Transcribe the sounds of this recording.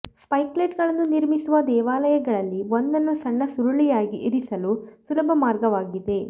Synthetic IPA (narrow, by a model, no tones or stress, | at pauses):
spɐjkleːʈɡɐɭɐnːuniɾmisuʋɐd̪ɛːʋaːlɐjɐɡɐɭɐlːiʋond̪ɐnːusɐɳːɐsuɾɐɭijaːɡiʔiɾisɐlusulɐbʱɐmaːɾɡɐʋaːɡid̪e̞